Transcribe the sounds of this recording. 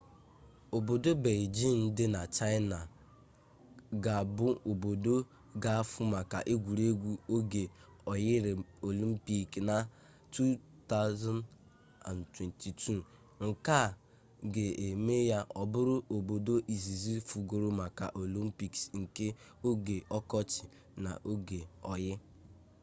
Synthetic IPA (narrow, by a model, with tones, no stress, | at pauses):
o˨bo˨do˦be˨ld͡ʒi˦˨nn̩˦dɪ˦na˨t͡ʃa˦ɪ˦na˨ | ɡa˨bʊ˦o˨bo˨do˦ | ɡa˦fʊ˦ma˨ka̰˨ʔe˦ɡʷu˨ɾe˦ɡʷu˦o˦ɡe˨ | ɔ˨jɪ˦ɾɪ˨o˨li˦m̩˦pi˦kna˨ | tu˦ | ta˦ʊ˦za˦n | a̰˨ntwe˨nti˨tʰu˦ | ŋ̩˨ka˦˨ | ɡe˨e˨me˦ja˦ʔɔ˨bʊ˦ɾʊ˦ʔo˨bo˨do˦ʔi˨zi˨zi˦fu˨ɡo˨ɾʊ˦ma˨ka̰˨ʔo˨li˦m̩˦pi˦˨ksŋ̩˨ke˦ | o˦ɡe˨ɔ˦kɔ˦t͡ʃɪ˨ | na̰˨ʔo˦ɡe˨ɔ˨jɪ˦